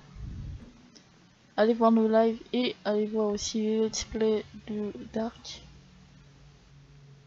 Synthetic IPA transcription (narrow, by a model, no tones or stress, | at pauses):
alevwaʁnolajvealevwaʁosileləd̪si̥pled̪əd̪aʁk